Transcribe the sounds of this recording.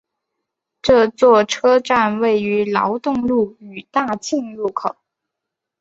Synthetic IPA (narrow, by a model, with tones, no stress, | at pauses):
ʈ͡ʂɤ˥˧t͡swɔ˥˩ʈ͡ʂʰɤ˥ʈ͡ʂa˥˧nwe˥˩ɪy˧˥lɑ˧˥ʊt̪ʊ˥˧ŋlu˥˩y˨˩t̪a˥˧t͡ɕi˥˧ŋɻu˥˩kʰo˨˩˦ʊ